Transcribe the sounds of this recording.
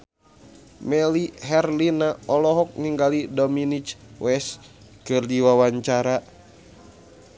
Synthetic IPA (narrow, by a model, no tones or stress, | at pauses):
mɛliɦɛrlinaɔlɔɦɔk̚niŋɡalidɔminit͡ʃwɛs | kɨrdiwawaɲt͡ʃaɾa